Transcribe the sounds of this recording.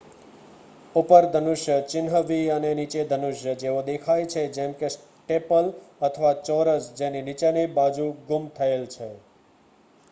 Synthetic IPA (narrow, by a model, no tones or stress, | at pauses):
upəɾd̪ʱənuʃjət͡ʃɪnɦəʋiənenit͡ʃed̪ʱənuʃjəd͡ʒeod̪ekʰajt͡ʃʰed͡ʒemkes | ʈepələt̪ʰəʋat͡ʃɔɾəsd͡ʒeninit͡ʃenebad͡ʒuɡumt̪ʰəelt͡ʃʰe